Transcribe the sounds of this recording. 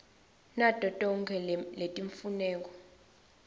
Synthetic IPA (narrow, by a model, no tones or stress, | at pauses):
nad̥ʼʱɔtʼɔŋkʰɛletʼiɱfunɛːk̬ɔ